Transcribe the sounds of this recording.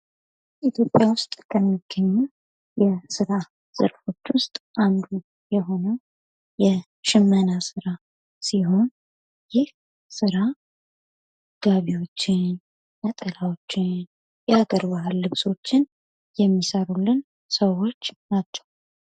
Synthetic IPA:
ʔit̪ʰjo̞pʼjawʊst̪ʼkʰəmːiɡ̥ːəɲːu | jɛsɨɾa | z̥ə̰ɾfo̞t͡ʃːwʊst̪ʼʔand̪u | jɛɦo̞nəw | jɛ | ʃɪmːənasɨɾa | siɦo̞n | jɪh | sɨɾa | ɡ̥aβiwo̞t͡ʃːɪn | mət̪ʼəlawot͡ʃːɪn | jɛaɡəɾbahɨlːɨβso̞t͡ʃːɪn | jɛmːisəɾulːɨn | səwo̞t͡ʃːnat͡ʃːɛ̥w

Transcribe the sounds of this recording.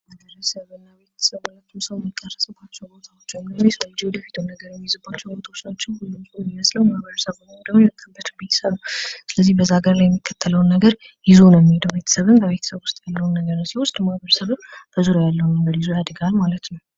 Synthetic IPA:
mabəɾəsəβɨnːaβe̞t̪ʰə̥səβnat̪ʰːunsəβmːikʼːərːəsɨbat͡ʃːɛwbot̪ʰʼawot͡ʃːɛwəmɾesəd͡ʒewɔd̪əfi̥t̪ʰəwnːəɡəɾnmːizɨbat͡ʃːɛwbot̪ʼʰaot͡ʃnat͡ʃːɪnbulɨmsʼumiməsləwmahbəɾəsəβəmod̪əmjəkʰɨbət̪ʰɨbe̞t̪ʰə̥səβnwsɨləzːihbəzːaɡəɾlajɛmːikʰːət̪ʰːələwnːəɡəɾ | jɪzunəmːihed̪əwbe̞t̪ʰə̥səβɨmbəβe̞t̪ʰə̥səβwʊst̪ʼjalːəwnːəɡəɾnəwsihʊst̪ʼmahβəɾəsəβɨmb̥əzuɾajalːəwunəŋɡəd̪jizujad̪ɨɡalmalət̪nəw

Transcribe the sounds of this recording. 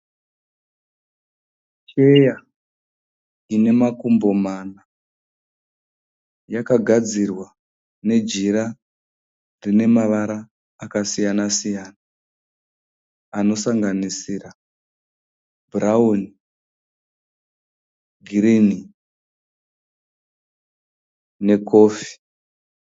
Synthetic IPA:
t͡ʃeja | ine̞makumbo̞mana | jakaɡʱad͡zirwa | ne̞d͡ʒiɾa | rine̞maʋaɾaː | kasijanasijaːna | no̞saŋɡanisira | bʱurauni | ɡʱirini | ne̞ko̞ːfi̥

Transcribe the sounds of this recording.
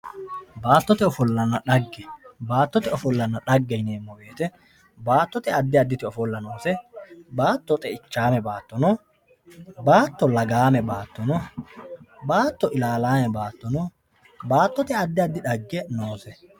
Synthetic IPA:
baːt̪ːɔt̪ɛɔfɔlːɐnːɐᶑɐɡːɛbaːt̪ːɔt̪ɛɔfɔlːɐnːɐᶑɐɡːɛjneːmːɔbeːt̪ɛ | baːt̪ːɔt̪ɛɐd̪ːɪɐd̪ːɪt̪ɪɔfɔlːɐnoːsɛbaːt̪ːɔt̪ʼɛɪt͡ʃːaːmɛbaːt̪ːɔnɔ | baːt̪ːɔlɐɡaːmɛbaːt̪ːɔnɔ | baːt̪ːɔʔɪlaːlaːmɛbaːt̪ːɔnɔ | baːt̪ːɔt̪ɛɐd̪ːɪɐd̪ːɪᶑɐɡːɛnoːsɛ

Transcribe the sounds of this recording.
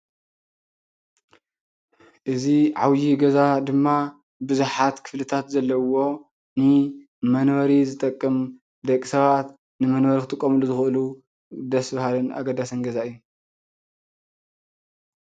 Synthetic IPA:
ʔɨziʕa̰wjiɡɐzad̪ɨmːa | bɨzuħat̪kʰɨflɨt̪ʰat̪zɐlːɐwo̞ | nɨ | mɐnwɐɾizɨt̪ʼɐkʼːɨm | d̪ɐkʼisɐβat̪ | nɨmɐnwɐɾikʰɨt̪ʼɨkʼːomɨluzɨxʔɨlu | d̪ɐsbahalɨnʔa̰ɡɐd̪ːasɐnɡɐzaʔɨjːu

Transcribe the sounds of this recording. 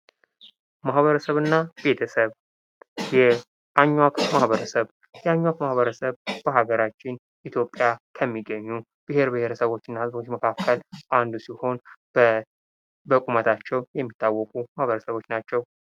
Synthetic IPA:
mahβəɾəsəβɨnːabe̞t̪ʰəsəβ | jɛ | ʔaɲːwakmahβəɾəsəβ | jɛaɲːwakmahβəɾəsəβbəɦaɡəɾat͡ʃːɪn | it̪ʰjo̞pʼjakʰəmːiɡəɲːu | b̥ɨhe̞ɾbɨhe̞ɾəsəβo̞t͡ʃːɪɨnːahɨzo̞t͡ʃːməkʰakʰːəlʔand̪usiho̞n | bəkʼumət̪ʰat͡ʃːɛwjɛmːit̪ːawːɔkʼumahβəɾəsəβo̞t͡ʃːnat͡ʃːɛw

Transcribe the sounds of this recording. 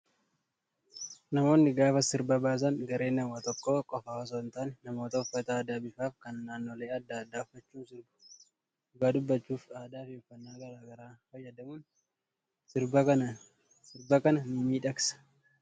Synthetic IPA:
nɐmo̞ːnːɪɡaːfɐsɪɾbɐbaːs̬ɐnɡɐɾe̞ːnːɐwat̪ɔkːoːkʼɔfawɐs̬oɪnt̪aːnɛnɐmo̞ːt̪ɐʊfːɐt̪ɐːd̪aːbɪfaːfkɐnːaːnːo̞ːleːɐd̪ːaːd̪ːaːʊfːɐt͡ʃːuːnsɪɾbʊ̥ | ɡaːd̪ʊbːɐt͡ʃːuːfaːd̪aːfeːfːɐnːaːɡɐɾaːɡɐɾaːhɔjːɛd̪ɐmuːn | sɪɾbɐɐɐ | sɪɾbɐkɐnɐnʊmiːᶑɐksɐ̥

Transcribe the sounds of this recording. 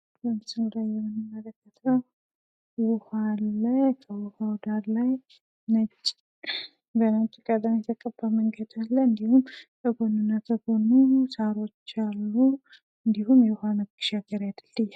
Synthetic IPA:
bəmsɨmɾajɛmːɨnːɨmːələkːət̪ʰəw | wɔhalajkʰəwɔhawd̪aɾlaj | nət͡ʃʼː | bənat͡ʃʼːikʼəd̪amjɛt̪ʰəkʼəbaməŋɡəd̪alːəɨnd̪ihumʔəɡonɨnːat̪ʰəɡonusaɾo̞t͡ʃːalːu | ɨnd̪ihumjɛwhanəɡɨʃaɡəɾjajd̪ɨlːɨjːa

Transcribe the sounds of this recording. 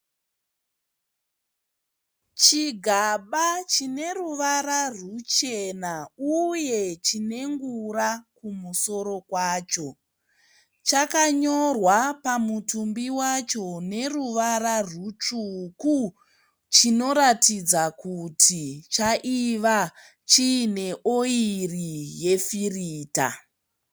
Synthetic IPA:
t͡ʃiɡʱaɓat͡ʃine̞ruʋaɾarut͡ʃe̞nauje̞t͡ʃine̞ŋɡurakumuso̞ɾo̞kwaːt͡ʃo̞ | t͡ʃakaɲo̞rwapamutumbiwat͡ʃo̞ne̞ruʋaɾarut͡ʂuku | t͡ʃino̞ɾatid͡zakutʰit͡ʃaʔiʋa | t͡ʃiːne̞ʔoirije̞firiːta̰

